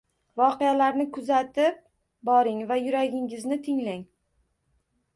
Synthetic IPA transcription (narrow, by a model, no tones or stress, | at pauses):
vɒqejalaɾnɪkʰʊzat̪ɪp̚ | bɒɾɪŋvajʊɾaɡʲɪŋɪznɪt̪ʰɪŋlaŋ